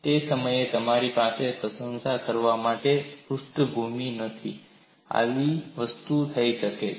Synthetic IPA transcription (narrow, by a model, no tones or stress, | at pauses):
t̪esəməjet̪əmaɾipasepɾəsə̃nsakəɾʋamaʈepɾusʈəbʱuminət̪ʰḭ | a̰ʋiʋəst̪ut̪ʰəiʃəke